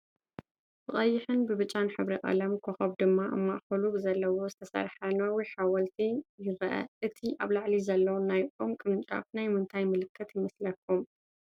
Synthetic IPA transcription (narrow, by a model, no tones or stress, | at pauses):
b̥ɨχʼɐjːɪħɨnbɨβɨt͡ʃʼanħɨβɾiʔʼɐ̰lɐmkʰoxɐβd̪ɨmːaʔɨ̰mːaʔxɐlubɨzɐlːɐwo̞zɨt̪ʰɐsɐ̰ɾħanɐwijħawɐlt̪ʰijɪɾɐʔɐ̰ʔɨt̪ʰiʔaβlaʕlizɐlːɐwnajʔʼomkʼɨmɨnt͡ʃʼa̰fnajmɨnt̪ʰajmɨlɨkʰːɐt̪jɪmɐslɐkʰːum